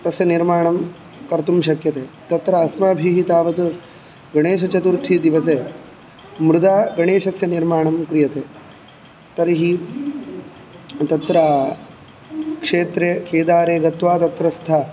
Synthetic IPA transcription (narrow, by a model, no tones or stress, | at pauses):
t̪ɐsjɐniɾmaːɳɐm | kɐɾt̪umʃɐkjɐt̪eːt̪ɐt̪ɾɐːsmaːbʱiɦit̪aːʋɐt̪ | ɡɐɳeːʃɐt͡ʃɐt̪uɾt̪ʰid̪iʋɐseː | mɾud̪aːɡɐɳeːʂɐsjɐniɾmaːɳɐmkɾijɐt̪eː | t̪ɐɾiɦi | t̪ɐt̪ɾaː | kʂeːt̪ɾekeːd̪aːɾeːɡɐt̪ʋaːt̪ɐt̪ɾɐst̪ʰɐ